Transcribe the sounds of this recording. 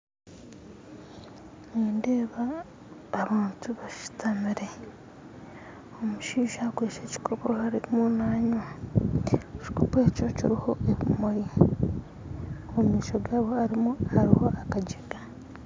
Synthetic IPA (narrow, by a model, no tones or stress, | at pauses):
niːndeːβaː | βaːntuβaʃu̥tʰamiɾe̞ | omuʃiːʃakweːt͡ʃe̞ci̥kʰopohaɾimunaːɲwa | ci̥ko̞peco̞cḭɾiho̞ʔeβimoji | omiːʃoɡaːβo̞aɾimuaɾiho̞ʔakaɟeɡa